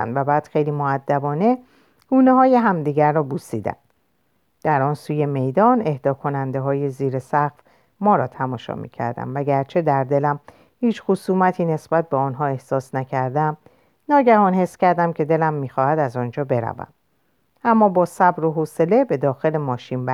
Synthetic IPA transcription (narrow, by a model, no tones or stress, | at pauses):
æ̰nvæbæːd̪̥xe̞jliːmoæd̪ːæbɒːne̞ | ɡ̥uːneɦɒːjeɦæmd̪iːɟæɾːɒːbusiːd̪æ̰m | d̪̥æɾɒːnsuːje̞me̞jd̪ɒːne̞hd̪ɒːkʰo̞nænd̪e̞ɦɒːje̞ziːɾe̞sæxf | mɒːɾɒːt̪ʰæmɒːʃɒ̰mḭːcʰæ̰ɾd̪æ̰mvæɡæɾt͡ʃʰe̞d̪æɾd̪e̞læm | hiːt͡ʃxosuːmæt̪ʰiːne̞sb̥æt̪̚ʰbeɒnɦɒːe̞hsɒːsnæcʰæɾd̪æm | nɒːɟæhɒːnhe̞sːcæɾd̪æmcʰe̞d̪e̞læmːiːxɒːhæd̪æzɒnd͡ʒɒːbe̞ɾæ̰væ̰m | ʔæmːɒːbɒːsæbɾoɦose̞le̞be̞d̪ɒːxe̞le̞mɒːʃiːnbæ